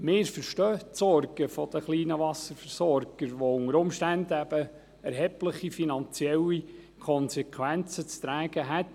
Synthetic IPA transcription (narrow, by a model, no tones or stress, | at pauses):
mɪːɾfəɾʃtœːtsɔrɡ̥əfɔd̪əχliːnəʋɑsəɾfəɾsɔɾɡ̥əɾʋoʊŋəɾʊmʃtænd̪əæb̥ə | ɛɾɦɛpləχifinɑnt͡siɛli | kʰɔnsɛkʰʋænt͡sət͡st̪ɾæːɡ̥əɦæt̪